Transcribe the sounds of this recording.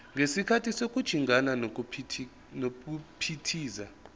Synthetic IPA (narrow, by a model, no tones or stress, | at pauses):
ŋɡʱesikʰatʰisokʼud̥ʒ̥ʱiŋʱananʰ | nok̬upʰitʰiːza